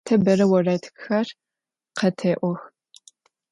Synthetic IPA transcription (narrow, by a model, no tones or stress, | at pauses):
tʰɐbɐrɐwɐraːjtʰkxar | qɐtʰeːʔʷɔx